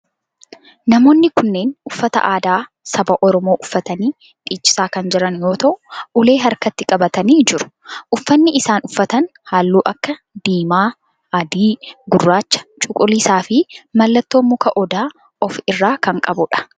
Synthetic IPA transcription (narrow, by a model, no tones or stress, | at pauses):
nɐmo̞ːnːɪkʊnːe̞ːnʊfːɐt̪ɐ̰ʔaːd̪aː | sɐbɐʔɔɾɔmoːʔʊfːɐt̪ɐniː | ᶑ̪iːt͡ʃʼːɪ̥saːkɐnd͡ʒɪɾɐnjo̞ːt̪ɐʔʊʔʊle̞ːɦɐɾkɐt̪ːɪkʼɐbɐt̪ɐniːd͡ʒɪɾʊ̥ʔʊfːɐnːɪʔɪsaːnʊfːɐt̪ɐnhaːlːuːʔɐkːɐ | d̪̥iːmaː | ɐd̪iːɡʊrːaːt͡ʃːɐ̥t͡ʃʼʊkʼʊliːsaːfɪmɐlːɐt̪ːo̞ːmːʊkɐʔɔd̪aː | ɔfɪrːaːkɐŋkʼɐbʊᶑɐ̥